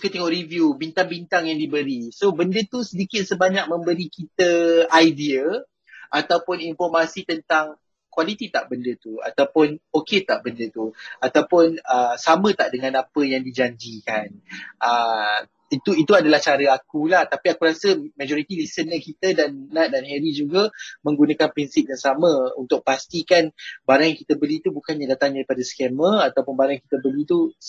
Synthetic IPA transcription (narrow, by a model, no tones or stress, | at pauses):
kət̪ɛŋɔʔrivjubint̪aŋbint̪aŋjaŋdibəɾisobəndət̪usədikɪt̪̚səbaɲak̚mə̃mbəɾikit̪əajdiə | ʔat̪awpʊninfɔrmasit̪ənt̪aŋ | kwalit̪it̪aʔbəndət̪ua̰t̪awpʊnoket̪aʔbəndət̪uat̪awpʊnəsamə̃t̪aʔdəŋãnapəjaŋdid͡ʒaɲd͡ʒikanʔə | it̪uit̪uadalaht͡ʃaɾəakulaht̪apiakuɾasəmãd͡ʒoɾit̪ilisənəkit̪ədanːat̪̚danɦɛɾid͡ʒuɡəmə̃ŋɡunãkanpɾinsip̚jaŋsamə̃unt̪ʊk̚past̪ikanbaɾaŋjaŋkit̪əbəlit̪ubukanɲadat̪aŋdaɾipadəskeməat̪awpʊnbaɾaŋjaŋkit̪əbəlit̪u